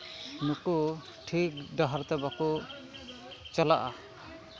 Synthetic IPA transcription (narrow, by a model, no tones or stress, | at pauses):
nuku | ʈʰik̚ɖɔɦaɾt̪ɛbaku | t͡ʃalaʔa̰